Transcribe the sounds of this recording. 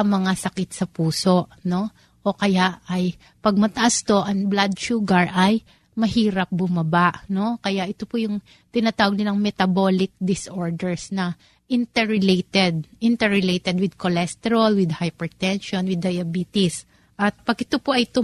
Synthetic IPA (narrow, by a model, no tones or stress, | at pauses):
ɐmɐŋasɐkɪt̪̚sɐpuːso̞ʔno̞ | ʔo̞kɐjaʔɐj | pɐɡ̚mɐt̪ɐʔast̪o̞ʔɐŋblad̪̚ʃuːɡɐɹʔɐj | mɐɦiːɾɐp̚bʊmɐbaʔno̞kɐjaʔɪt̪o̞pojʊŋ | t̪ɪnaːt̪aːwɐɡ̚nɪnɐŋmɛt̪ɐbolɪk̚d̪ɪsʔo̞ɹd̪ɛɹsnɐ | ʔɪnt̪ɛɹɪlejt̪ɛd̪̚ʔɪnt̪ɛɹɪlejt̪ɛd̪̚wɪd̪̚kolɛst̪ɛɾɐlwɪd̪hajpɛɹt̪ɛnʃonwɪd̪ːɐjɐbiːt̪ɪs | ʔɐt̪̚pɐɡʔɪt̪opoʔɐjt̪ʊ